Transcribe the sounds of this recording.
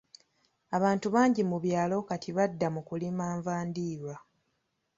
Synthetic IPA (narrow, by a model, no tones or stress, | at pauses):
aβaːntuβaːɲɟimuβjaːlo̞katʰiβadːamukulimaːɱvaːndiːɾwa